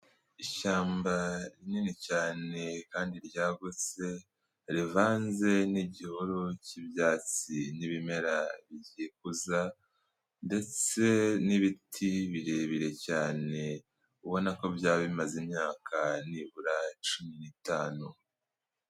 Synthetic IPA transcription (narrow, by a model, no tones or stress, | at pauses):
iʃaːmbaɾininicaːne̞kaːndiɾɟaːɡut͡se̞ | ɾivaːnze̞niɟihuɾucibjaːt͡siniβime̞ɾaβiɟikuza | nde̞t͡se̞niβitʰiβiɾeβiɾe̞caːne̞ | uβo̞nako̞bjaːβimazimɲaːkʰaniβuɾat͡ʃuminitaːnu